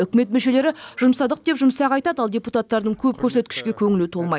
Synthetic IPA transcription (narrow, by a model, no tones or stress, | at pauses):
ʏkʲɪme̞t̪mɵʃe̞le̞ɾɪʒʊmsɑd̪əq̚d̪e̞pʒʊmsɑqɑjt̪ɑd̪ɑlˠd̪ʲeput̪at̪ːɑɾd̪əɴkʲʰɵp̚kʲʰɵɾse̞t̪̚kʲɪ̥ʃkʲe̞kʲʰɵŋɪlut̪ʰolˠmɑj